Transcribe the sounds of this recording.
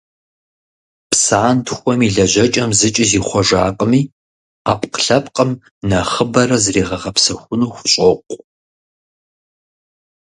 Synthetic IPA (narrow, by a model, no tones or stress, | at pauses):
psaːntʰxʷɔmiɮɐʑɐt͡ʃʼɐmzɨt͡ʃʼɪziːχʷɔʒaːqʼəmiː | aːpqɬɐp̚ʼqʼəm | nɐχəbɐɾɐzreːʁɐʁɐpsɐxʷʊnuːxʷʊɕʼɔqʷʼ